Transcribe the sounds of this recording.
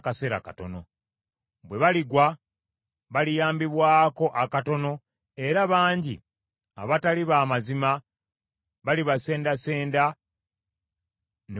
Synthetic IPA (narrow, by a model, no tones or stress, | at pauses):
kaseɾa̰ka̰to̞̰no̞̰ | βwe̞βaliɡwa | βalijaːmbiβwaːko̞ʔakato̞no̞ | e̞ɾaβaːɲɟḭ | a̰βataliβaːmazima | βaliβase̞ːndase̞ːnda | ne